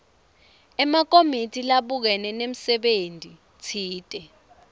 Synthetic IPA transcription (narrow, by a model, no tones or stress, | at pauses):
ɛmak̬ʼomitʰʼilaɓuk̬ɛnɛnem̩sɛɓentʼi | t͡sʰiːtʼɛ